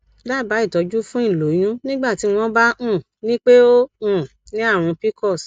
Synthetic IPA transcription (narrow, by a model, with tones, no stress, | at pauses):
la˦˨ba˨˦i˦˨tɔ˨˦d͡ʒu˦fũ˦ĩ˦˨lo˨˦j̃ũ˦nĩ˦ɡ͡ba˦˨ti˨˦w̃ɔ̃˦ba˦ʔũ˦˨ | nĩ˦k͡pe˦o˦ũ˦˨ | nĩ˦a˦˨ɾ̃ũ˧pi˦kɔ˦˨s